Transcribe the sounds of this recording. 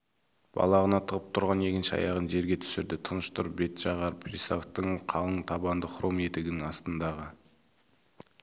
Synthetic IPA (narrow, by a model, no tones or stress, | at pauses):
b̥ɑ̰lˠɑʁənɑt̪ʰəʁəp̚t̪ʰʊɾʁɑne̞kʲɪnʃɪɑ̰jɑʁənʒe̞ɾɡʲe̞t̪ʰʏ̥sɪɾd̪ɪt̪ʰənəʃt̪ʊɾbe̞t̪ʒɑʁɑɾpʰɾʲisoft̪ːəɴqʰɑlˠəɴt̪ʰɑbɑnd̪əχʰʊɾome̞t̪ɪɡʲɪnɪŋɑst̪ənd̪ɑʁə